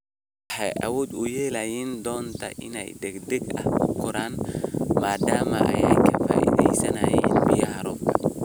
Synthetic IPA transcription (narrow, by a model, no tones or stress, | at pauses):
ħɑjʔɐwɔːd̪ʊjɛːlɐjɛːnd̪ɔːnt̪ʰɐ̰ʔɪnɛ̰jd̪ɛɡd̪ɛɡɐ̰hkʊkʰʊɾaːnmaːd̪aːmɐʔɐ̰jɛ̰jkʰɐfa̰ːʔḭðɛjsɐnɐːjɛːnbɪjɐhɐɾɔːb̚kʰɐ